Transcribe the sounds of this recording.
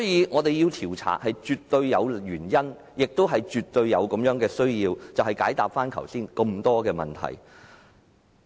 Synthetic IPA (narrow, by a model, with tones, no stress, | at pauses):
sɔː˨˥jiː˨˧ŋɔː˨˧t̪e˨jiː˧wt̪ʰiː˨˩wt͡sʰa̰ː˨˥k̚hɐ˨jt͡ʃyː˨tt̪ːɵ˧ɥjɐ˨˧wɥyː˨˩njɐ˥n | jɪ˨k̚t̪o˥wɦɐ˨jt͡ʃyː˨t̪ːɵ˧ɥjɐ˨˧wkɐ˨˥mjœː˨˥ŋkɛː˧sɵ˥ɥjiː˧wt͡sɐ˨whɐ˨˩jkaː˨˥jt̪aː˨p̚faː˥nkʰɐ̰˨˩wsiː˥nkɐ˧mt̪ɔː˥kɛː˧mɐ̰˨˩nt̪ʰɐ̰˨˩j